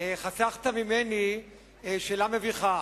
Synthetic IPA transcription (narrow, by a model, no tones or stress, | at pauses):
χasaχt̪amimeni | ʃeːlameviχa